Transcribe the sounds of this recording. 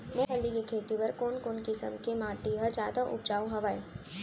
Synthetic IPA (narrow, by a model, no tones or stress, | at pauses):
moːɦəlːikekʰeːt̪ipɐɾkoːnkoːnkisə̰mkemãːʈiɦɐd͡ʒaːd̪aʔʊ̰b̚d͡ʒaːwɦɐʋaːi